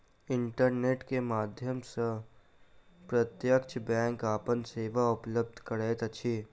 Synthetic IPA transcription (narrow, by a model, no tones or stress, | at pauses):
ɪɳʈəɾneːʈkemaːd̪ʱjəmsə | pɾət̪jəkt͡ʃʰbɛ̃ːŋkaːpənseːʋaʊpləb̚d̪ʱkəɾeːt̪ɐt͡ʃʰiː